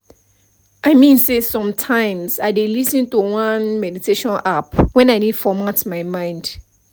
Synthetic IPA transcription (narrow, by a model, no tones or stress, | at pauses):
ʔaɪmĩnsesɔ̃mtʰãɪ̃msaɪdelisĩntuwãnmɛditʰeʃɔ̃napwɛ̃naɪnidfɔmatmaɪmãɪ̃nd